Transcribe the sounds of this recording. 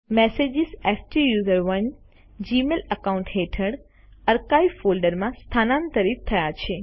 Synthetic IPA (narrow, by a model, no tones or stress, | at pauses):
mɛsed͡ʒisɛfʈijuzəɾʋən | d͡ʒimeləkaũɳʈɦeʈʰəɽ | əɾkaifolɖəɾmãst̪ʰanãnt̪əɾif̚t̪ʰːəjat͡ʃʰe